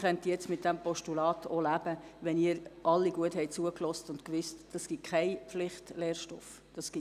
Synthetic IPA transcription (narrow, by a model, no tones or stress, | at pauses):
χœntəjɛt͡smɪt̚d̥æmpɔʃtulɑːtʰolæb̥əʋɛniːəɾʔɑlːiɡ̥uəthɛɪt͡suəklɔstʊntkʋʏstd̥ɑsɡ̥itkʰχɛɪpflɪχtlɛːɾʃtɔf | d̥ɑsɡ̥i